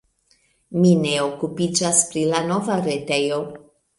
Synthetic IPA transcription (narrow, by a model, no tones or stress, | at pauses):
mine̞o̞kupid͡ʒaspɾilano̞vaɾe̞te̞jo̞